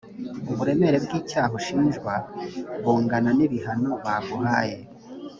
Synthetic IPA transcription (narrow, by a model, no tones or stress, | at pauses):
uβuɾe̞me̞ɾe̞bɡiːcaːɦoʃiːnʒɡwaβuːŋɡananiβihano̞βaɡuhaːje